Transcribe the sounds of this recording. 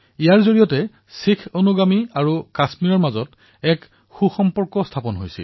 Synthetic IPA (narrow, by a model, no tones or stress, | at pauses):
ijaɹzoɹijɔtɛ | sikʰonuɡamiaɹukasmiɹɔɹmazɔt | ɛk | xuxɔmpɔɹkɔstʰapɔnɦojsḭl